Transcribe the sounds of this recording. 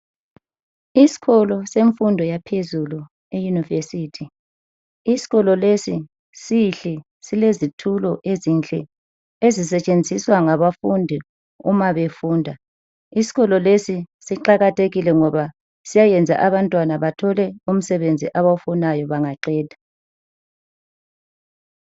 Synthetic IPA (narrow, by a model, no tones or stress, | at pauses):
isi̥ɣɔlɔseɱfundʱɔjapʰezulu | ejunivesitʰi | isi̥ɣɔlɔlesi | siɬɛ | silezitʰulɔʔezint͡ɬʼɛ̰ | ezis̬ɛt͡ʃʼend͡zʱiswaŋaβafundʱi | ṵmaβefuːndʱa | isi̥ɣɔlɔlesisiǃaɣatʰeɣilɛŋɔβa | sijajɛnd͡zʱa̰ʔaβantʼwanaβatʰɔlɛum̩sɛβend͡zʱḭʔaβaufɔnajɔβaŋaǃɛːdʱḁ